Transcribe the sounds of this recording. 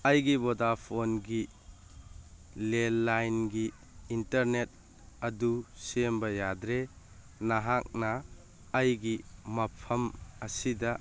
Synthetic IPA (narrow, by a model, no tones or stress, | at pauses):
ɐjɡibodapʰonɡi | lelːajnɡiː | ntɐɾnet̚ | ɐdusembɐjadɾe | naɦak̚nɐː | jɡimɐpʰɐmɐsidɐ